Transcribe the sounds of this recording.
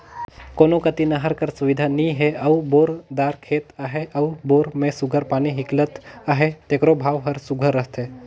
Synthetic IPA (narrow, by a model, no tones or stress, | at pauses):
koːnokət̪inaɦəɾkəɾsʊʋɪd̪ʱanĩɦeʔɐwboːɾd̪aːɾkʰeːt̪aɦeʔɐwboːɾmẽsʊɡʱəɾpaːniɦɪklət̪aɦet̪eːkɾobʱaːʋɦəɾsʊɡʱəɾːəɦt̪eː